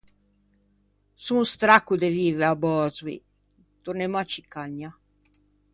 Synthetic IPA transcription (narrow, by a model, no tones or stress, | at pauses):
sunst̪ɾakːud̪eviːveabɔːzwḭ | t̪urnemɔat͡ʃːikːaɲːa